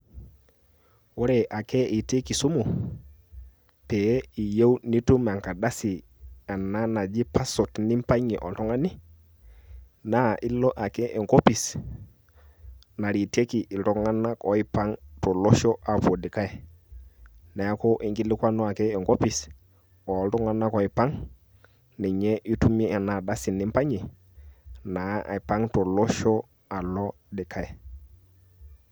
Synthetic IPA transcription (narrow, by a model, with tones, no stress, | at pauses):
wo˦ɾe˨ʔa˨kɛ˦ʔi˨te˦ki˨su˦mu˨ | pe˨˦i˨je˦wni˦tu˦m˨a˨ŋka˨da˦si˨ | a˨na˦na˨d͡ʒi˦pʰa˦so˨tni˦m˦pa˦ɲi˨ʔɔ̰˨n˨tɔ˦ŋa˦ni˦ | na˦˨ʔi˦lɔ˦ʔa˨kɛ˦ʔɛ˨ŋɡo˦pi˨s | na˨ɾi˨te˦ki˨ʔi˨tɔ˨ŋa˦na˦kɔ˦i˦pa˦ŋtɔ˨lo˦ʃɔ˦ʔa˨po˨dɪ˨ka˦ɛ˨ | na˨a˦ko˦ʔi˨ŋɡi˦lɪ˦kʷa˦nɔ˦a˨kɛː˦˨ŋko˦pi˨s | ɔ˨˦ltɔ˦ŋa˦na˦kɔ˨˦i˨pa˦ŋ | ni˨ɲɛ˦ʔi˦tu˦mi˦ɛ˨na˨da˦sɪ˨nɪ˦mpa˦ɲi˨ | na˨˦ʔa̰˨pa˦ŋtɔ˨lɔ˦ʃɔ˦ | a˨lɔ˦ | dɪ˨kʰa˦ɛ˨